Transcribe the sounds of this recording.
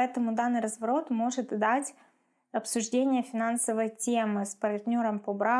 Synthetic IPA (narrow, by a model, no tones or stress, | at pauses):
ɛt̪əmʊd̪anːɨjɾəzvɐɾo̞t̪mo̞ʐɨt̪d̪atʲ | ɐpsʊʐdʲenʲɪjəfʲɪnansəvəjtʲe̞mɨspɐrt̪nʲo̞ɾəmpobɾa